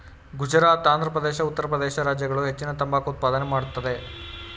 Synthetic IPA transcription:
ɡud͡ʒɐɾaːt̪aːnd̪ɾɐpɾɐd̪eːʃɐut̪ːɐɾɐpɾɐd̪eːʃɐɾaːd͡ʒjɐɡɐɭuɦe̞t͡ʃːinɐt̪ɐmbaːkɐut̪̚paːd̪ɐnemaːɽut̪ːɐd̪e̞

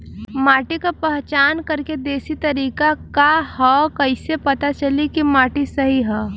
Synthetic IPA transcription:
maːʈikapɛɦt͡ʃaːnkɐɾked̪eːsit̪ɐɾiːkakahɔkɐɪsepɐt̪at͡ʃɐlikimaːʈisɐɦiɦɛː

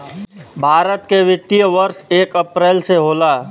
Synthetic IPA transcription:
bʱaːɾət̪keʋɪt̪ijəʋəɾʃeːkəpɾɛːlseɦoːlaː

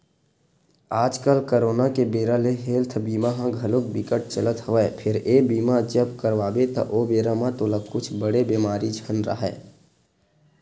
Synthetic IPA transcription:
aːd͡ʒkəlkəɾoːnakebeːɾaleɦeːlt̪ʰbiːmaɦãɡʱəlʊk̚bɪkəʈ̚t͡ʃələt̪ɦəʋɛpʰɪɾeːbiːmad͡ʒəbkəɾʋaːbet̪ɐ̰ʔoːbeːɾamãt̪olakʊt͡ʃʰbəɽebeːmaːɾid͡ʒʱənɾə̰ɦɛ̰ː

